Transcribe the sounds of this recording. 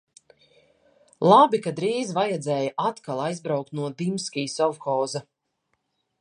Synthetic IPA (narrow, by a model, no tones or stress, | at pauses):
lˠabikad̪ɾiːzvajɛd̪zʲɛːjaʔat̪kalˠajzbɾawk̚t̪nuɔd̪imskʲiːsɔwxɔːza